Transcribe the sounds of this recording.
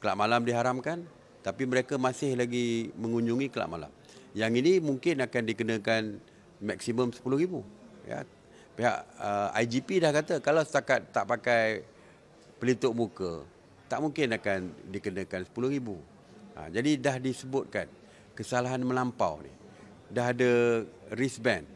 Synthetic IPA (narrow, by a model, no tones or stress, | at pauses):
kəla̰ʔmalamdiɦaɾamkan | t̪apiməɾekəmasɪhlaɡiməŋuɲd͡ʒuŋikəla̰ʔma̰la̰m | jaŋinimuŋkɪnakandikənəkan | mak̚siməmsə̥pulʊhɾibuja̰ | peɦa̰ʔəa̰jd͡ʒipidahkat̪əkalawsə̥t̪akat̪ːaʔpakaj | pəlit̪ʊʔmukə̰ | t̪aʔmuŋkɪnakandikənə̃kansə̥pulʊhɾibu | a̰d͡ʒadidahdisəbʊt̪̚kan | kəsalaɦanməlampa̰wnḭh | daɦadəɾisbɛn